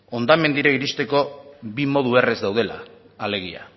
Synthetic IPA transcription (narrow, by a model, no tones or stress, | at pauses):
o̞nd̪ame̞nd̪iɾaiɾist̪e̞ko̞bimo̞ð̞ue̞rezd̪awð̞e̞la̰ː | le̞ɣ̞ia̰